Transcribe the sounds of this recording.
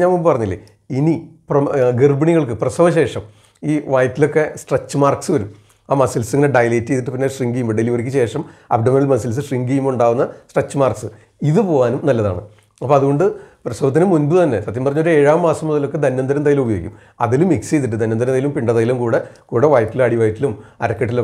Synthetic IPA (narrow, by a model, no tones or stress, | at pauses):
ɲaːnmombɨpɐrɐɲːilːḛ | iniprɐɡirbɐɳiɣɐɭkɨprɐsɐʋɐɕe̞ːʂɐm | iːʋaːjt̪ːilo̞kːe̞sʈret͡ɕːɨmaːrksɨʋɐɾum | aːmɐsilseŋːɐneɖɐjleːtːejt̪̬ːiʈːɨpinːeʂriŋɡijmɖeliʋoɾik̬ʲːɨɕe̞ːʂɐmɐ̰bɖɐmɐnɐlmɐsɐls̬ɨʂriŋɡijumuɳɖaːʋunːɐsʈret͡ɕːɨmaːrksɨ | iðɨpo̞ːʋaːnumnɐlːɐða̰ːɳɨ | ɐpːo̞ːɐðuɣo̞ɳɖɨprɐsɐʋɐt̪ːinɨmːunbɨt̪ɐnːe̞sɐt̪ːjɐmpɐrɐɲːoɾueːɻaːmːaːsɐmːuðɐlo̞kːe̞d̪ɐnːɐnd̪ɐɾɐnd̪aːjilumubɐjoɡikʲːum | ɐðilumːiksejt̪̬ːiʈːɨd̪ɐnːɐnd̪ɾɐnd̪aːjilumpiɳɖɐðɐjilumkuːɽe̞kuːɽe̞ʋaːjɐt̪ːilɐɽiʋaːjɐt̪ːilumɐɾɐkːɐʈːil